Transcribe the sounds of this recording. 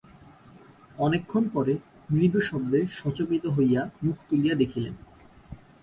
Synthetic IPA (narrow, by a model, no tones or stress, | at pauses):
ɔnekʰːonpɔɾe | mɾid̪ʱuʃɔb̚d̪eʃɔt͡ɕobit̪oɦojamukʰt̪ulijad̪ekʰilḛn